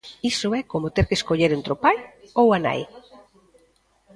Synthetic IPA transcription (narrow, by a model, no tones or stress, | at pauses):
isoɛkomot̪eɾkeskoʎeɾent̪ɾopajowana̰j